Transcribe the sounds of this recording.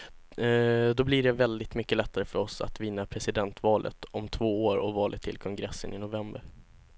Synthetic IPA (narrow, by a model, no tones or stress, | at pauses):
d̪ɔblɪɖɛvɛld̪ɪt̪mʏkːəlɛt̪ːaɾəfœɾɔsa̰t̪vɪnːapʰɾɛsɪd̪ɛnt̪vɑːlʔə̰t̪ɔmt̪ʰvoːoːɾɔvɑːlət̪ʰːɪlkʰɔŋɡɾɛsːənɪnʊvɛmbəɾ